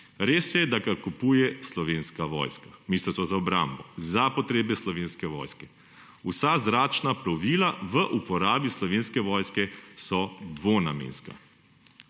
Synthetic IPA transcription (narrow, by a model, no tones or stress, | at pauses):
ɾeːsjɛd̪aɡakupuːjɛslɔʋeːnskaʋɔ̰ːjskamist̪əsɔzaɔbɾa̰mbɔzapɔt̪ɾeːbɛslɔʋeːnskɛʋɔ̰ːjskɛ | usazɾaːt͡ʃnapɾɔʋiːlaʋəʔupɔɾaːbislɔʋeːnskɛʋɔːjskɛsɔd̪ʋona̰mḛːnska̰